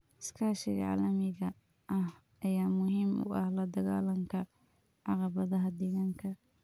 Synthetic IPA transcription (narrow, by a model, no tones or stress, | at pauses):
ɪskʰaːʃɪɣɐ̰ʕa̰ːlɐmɪɣɐ | ʔɐh | ɐjaːmʊɦiːmʊ̰ʔɐhlɐd̪ɐɣaːlɐŋkʰɐ | ʕɑqɑβɐðɐɦɐd̪ɛɣaːŋkʰɐ